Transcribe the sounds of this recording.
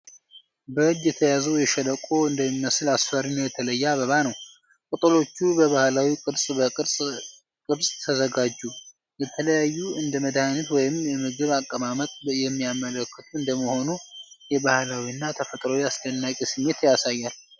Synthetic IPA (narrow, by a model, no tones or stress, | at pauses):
bəɨd͡ʒjɛt̪ʰəjazəwjɛʃələkʼo̞ɨnd̪əmiməsɨlasfəɾɨnjɛt̪ʰələjːaβəβanəw | kʼɨt̪ʼɨlo̞t͡ʃːubəβahlawikʼɨd̪sʼbəsʼ | kʼɨɾsʼt̪ʰəzəɡad͡ʒːu | bət̪ʰələjajːuɨnd̪əməd̪ahɨnət̪wɔjɪmjɛmɨɡɨβakʼːəmamət̪ʼjɛmːijamələkːət̪ʰuɨnd̪əməho̞nujɛβahlawiɨnːat̪ʰəfət̪ʼɾəwiasd̪ənːakʼesɨmːe̞t̪jasajːal